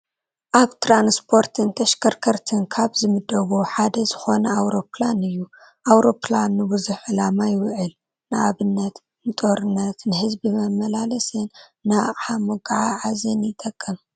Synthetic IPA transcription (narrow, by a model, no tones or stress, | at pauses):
ʔaβt̪ʰɾanspʰo̞ɾt̪ʰɨnt̪ʰɐʃkʰɐɾkʰɐɾt̪ʰɨnkʰaβzɨmɨd̪ːɐwoħad̪ɐzɨxo̞nɐawɾo̞planɨjːu | ʔawɾo̞planːɨbɨzuħɨlamajwʕɨl | nɨʔaβɨnːɐt̪ | nɨt̪ʼoɾɨnːɐt̪nɨhɨzbimɐmːɐlalɐsɨnːɨaχʼħamoɡaʕaʕazɐnjɪt̪ʼːɐkʼːɨm